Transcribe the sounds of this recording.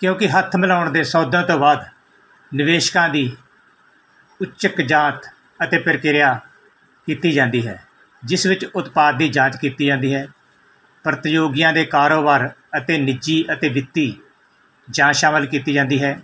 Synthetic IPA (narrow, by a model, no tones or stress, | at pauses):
kjõːkɪɦət̪ʰːmɪlaːʊɳd̪eːsɔːd̪ãːt̪õːbaːd̪ | nɪʋeːʃkãːd̪iː | ʊt͡ʃəkd͡ʒãːt̪ | ət̪eːpɪɾkɪɾɪjaː | kiːt̪iːd͡ʒãːnd̪iːɦɛ̰ː | d͡ʒɪsʋɪt͡ʃʊt̪paːd̪̚ːiːd͡ʒãːt͡ʃkiːt̪iːd͡ʒãːnd̪iːɦɛː | pɾət̪joːɡɪjãːd̪eːkaːɾoːbaːɾ | ət̪eːnɪd͡ʒiːət̪eːʋɪt̪ːiː | d͡ʒãːʃaːməlkiːt̪iːd͡ʒãːnd̪iːɦɛː